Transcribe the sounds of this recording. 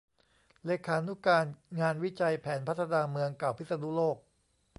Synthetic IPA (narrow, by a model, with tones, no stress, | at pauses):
leː˧kʰaː˦nu˦˥kaː˧nŋaː˧nwi˦˥t͡ɕa˧jpʰɛː˩˦npʰa˦˥t̪ʰːa˧naː˧mɯ˧əŋkaː˨˩wpʰi˦˥t̪sa˧nu˦˥loː˥˩k̚